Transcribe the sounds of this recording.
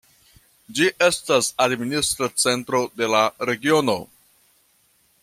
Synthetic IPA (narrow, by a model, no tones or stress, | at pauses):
d͡ʒiʔe̞stasadministɾat͡se̞ntɾo̞de̞laɾe̞ɡio̞no̞